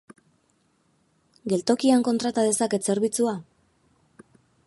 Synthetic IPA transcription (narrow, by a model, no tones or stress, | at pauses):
ɡe̞lt̪o̞kiaŋko̞nt̪ɾat̪aðe̞sake̞se̞ɾβit͡sua